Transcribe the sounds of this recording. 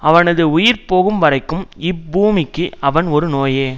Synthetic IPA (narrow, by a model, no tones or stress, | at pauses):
ɐʋɐnɐðɯʊjɪɾpoːɣɯmʋɐɾɐɪkːɯmɪbuːmɪkːɯɐʋɐnɔɾɯnoːjeː